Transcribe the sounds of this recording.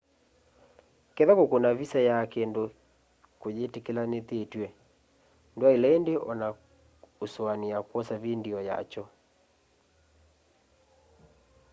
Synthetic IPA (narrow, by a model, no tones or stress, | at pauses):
kɛðakokonaβisajakendo | kojetekelanet̪etwɛ | ndoailaendeʔɔna | oswaniakwɔsaβindiɔja̰t͡ʃɔ